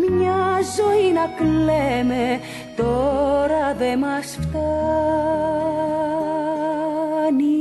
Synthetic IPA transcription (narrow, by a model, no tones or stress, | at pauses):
mɲazɔinaklɛme | t̪oɾaðemasft̪a | ni